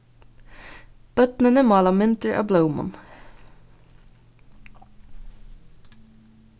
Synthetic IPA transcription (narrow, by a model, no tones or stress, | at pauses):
b̥œt̪nənəmɑːlɑmɪnt̪əɹʔɑ̰ːbləʊmɔ̰n